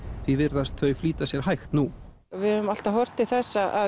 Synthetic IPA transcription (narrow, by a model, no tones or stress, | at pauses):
θvivɪɾðast̪ʰvœɥjfliːt̪asjɛɾ̥ɦajxt̪nu | vɪðʏvʏmal̥t̪aɦɔr̥t̪ɪθɛsːaʔa